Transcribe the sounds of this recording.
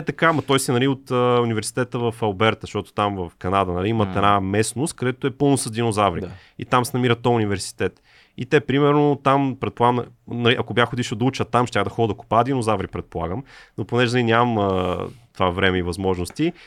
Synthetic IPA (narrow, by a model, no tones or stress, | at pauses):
ɛt̪ɐkamɐt̪ɔjsɛnɐliot̪əunivɛɾsi̥t̪ɛt̪əvəfɐlˠbɛɾt̪əʃt̪ɔt̪o̥t̪amvɐfkɐnad̪ənɐliimət̪ɛnamɛsnost̪̚kɐd̪ɛt̪oɛpɤlˠnosəzd̪ʲinozavɾi | ḭt̪amsɛnɐmiɾət̪ɔʊnivɛɾsi̥t̪ɛt̪ | it̪ɛpɾimɛɾnot̪ampɾɛt̪̚polˠaɡəmnɐliʔɐkobjaxod̪iʃɛd̪ɐut͡ʃət̪amʃt̪ʲjaxd̪ɐxɔd̪əd̪ɐku̥paːd̪inozavɾipɾɛt̪̚polˠa̰ɡəmnoponɛʒnɐinʲammət̪ovavɾɛmɛivɐzmɔʒnost̪i